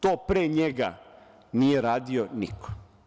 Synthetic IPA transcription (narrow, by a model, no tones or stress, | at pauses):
t̪oːpɾɛːɲɛɡa̰ | niɛɾaːd̪ionḭkɔ̥